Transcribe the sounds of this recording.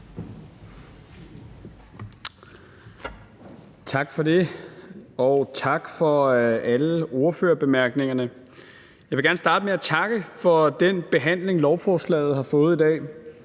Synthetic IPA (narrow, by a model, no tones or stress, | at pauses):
t͡sʰɑ̈ɡ̥fɒ̽de̝ | ɒʊt͡sʰɑ̈ɡ̥fɒ̽æləo̝ɐføːɐb̥e̝mæɐɡ̥ne̝ŋɐnə | jɑ̈ɪʋe̝ɡæɐnsd̥ɑ̈ːd̥əmeæt͡sʰɑ̈ɡ̥əfɒ̽d̥enb̥e̝ɦæn̰le̝ŋlɒʊfɒːslɛ̰ːɪð̩ˠhɑ̈fɔ̽ːð̩ˠid̥ɛ̰ː